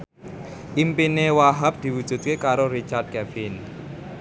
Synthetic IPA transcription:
ʔimpinewaɦap̚d̪̥i̤wu̥ʒ̥ṳt̪̚kekaɾoɾit͡ʃart̪̚kɛfɪn

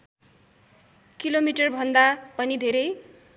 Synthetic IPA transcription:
kilomiʈʌrbʱʌnd̪apʌnid̪ʱeɾʌj

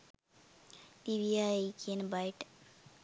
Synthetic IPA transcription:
piʋiaekʰijənəbajʈ

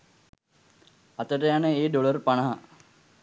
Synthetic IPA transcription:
at̪əʈəjanəeːɖolərpaɳɐɦa

